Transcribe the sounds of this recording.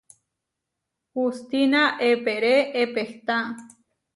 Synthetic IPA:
hust̪inaʔepeɾeepeht̪a

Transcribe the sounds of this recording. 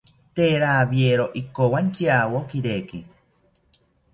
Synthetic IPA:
t̪eːɾaːβieɾoʔikowant͡ʃiawokiɾeki

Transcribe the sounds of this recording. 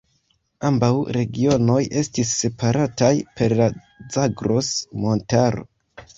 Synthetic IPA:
ambawɾe̞ɡio̞no̞jʔe̞stisːe̞paɾatajpe̞ɾla | d͡zaɡɾo̞smo̞ntaɾo̞̰

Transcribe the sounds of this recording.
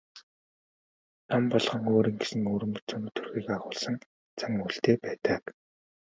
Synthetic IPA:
ampɔɮʁɞ̆ŋoːɾiːŋɡesɘ̆nuːɾɵ̆mpɵ̥̆t͡sɵːn̆t̪ʰu̥rɣiːkaʁʊːɮsə̆ŋ | t͡sʰaŋuɬt̪eːpæːt̪ə̆k

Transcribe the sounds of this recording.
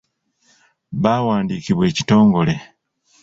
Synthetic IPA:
βawaːndiːciβwe̞ːci̥to̞ːŋɡo̞le̞

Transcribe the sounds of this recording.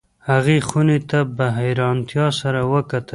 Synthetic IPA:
haɣexunet̪abaɦajɾɑnt̪jɑsaɾawəkat̪ə

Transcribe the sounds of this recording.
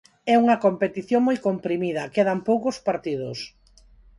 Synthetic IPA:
ɛuŋɐkompet̪iθjoŋmojkompɾimiðɐkeðɐmpowkospaɾt̪ið̞ʊs

